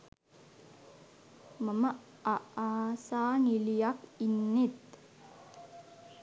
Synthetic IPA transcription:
məmə | aaːsaːŋilijakinːet̪

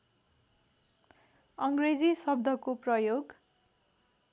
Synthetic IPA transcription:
ʌŋɡred͡zisʌb̚d̪ʱʌkoprʌjoɡ

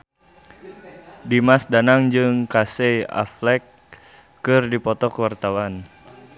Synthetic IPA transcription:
dimasdanaŋd͡ʒɨŋkasea̰flɛkː | ɨrdipɔt̪ɔkəwart̪awan

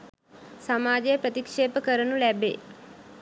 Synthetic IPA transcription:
samaːd͡ʒejəpɾət̪ikʂeːpəkəɾənulæbḛ

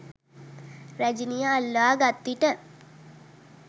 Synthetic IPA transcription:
ɾæd͡ʒinijəalːəaːɡat̪ːiʈə

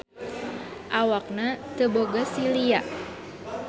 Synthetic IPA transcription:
ʔawak̚nat̪əboɡasiliaʔ

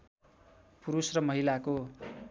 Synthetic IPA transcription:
puɾusrʌmʌɦilako

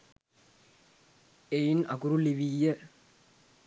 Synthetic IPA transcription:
ejinɐkuɾuliʋijə

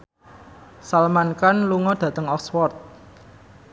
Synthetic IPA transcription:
salmankanluŋɔd̪̥ä̤t̪əŋɔkswɔrt̪̚

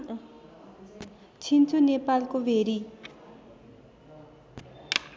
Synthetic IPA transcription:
t͡ɕʰint͡sʰunepalkowerel

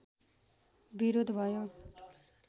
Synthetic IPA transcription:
biɾod̪ʱbʱʌjo

